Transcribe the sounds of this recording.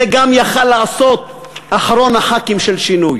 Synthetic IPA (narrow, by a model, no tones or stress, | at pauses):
eɡamjaχalːaʕaso̞t̪̚ | aħaɾo̞naħakimʃelʃinuj